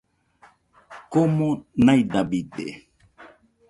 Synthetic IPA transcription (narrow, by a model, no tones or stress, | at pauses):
komonajd̪abid̪ḛ